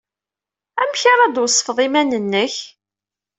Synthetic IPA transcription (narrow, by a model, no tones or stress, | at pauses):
æmçaɾˤɑd̪wsˤːə̥fðˤimænənːəç